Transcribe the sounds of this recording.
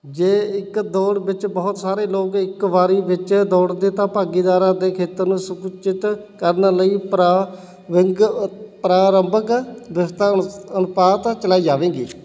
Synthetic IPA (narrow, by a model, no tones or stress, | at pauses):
d͡ʒeːɪkd̪oːɽbɪt͡ʃbəːt̪saːɾeːloːkɪkʋaːɾiːʋɪt͡ʃd̪oːɽd̪eːt̪ãːpaːɡiːd̪aːɾãːd̪eːkʰeːt̪əɾnũːsʊkt͡ʃɪt̪kəɾnələiːpɾa | ɪŋɡpɾaːɾəmbəkd̪ɪst̪aːənʊpaːt̪t͡ʃəlaːiːd͡ʒaːʋẽːɡḭː